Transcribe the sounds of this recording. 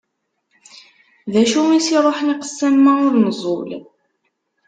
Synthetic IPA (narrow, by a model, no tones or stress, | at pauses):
ðæʃumisiðˤoħniqə̥sːæmːæʊɾnəzˤo̰l